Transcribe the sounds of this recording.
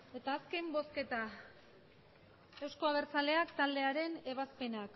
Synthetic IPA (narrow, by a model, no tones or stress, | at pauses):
e̞t̪aːske̞mbo̞ske̞t̪a | e̞wsko̞aβ̞e̞ɾt͡sale̞akt̪ald̪e̞aɾe̞ne̞β̞aspe̞nak